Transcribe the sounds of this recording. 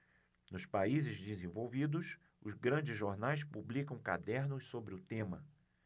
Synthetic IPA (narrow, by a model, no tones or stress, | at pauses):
nʊspaizɪzd͡ʒɪzẽvowvid̪ʊs | ʊzɡɾɐ̃d͡ʒɪzʒoɾnajs̬publikɐ̃w̃ka̰d̪ɛɾnʊssobɾɪʊt̪ẽmɐ̰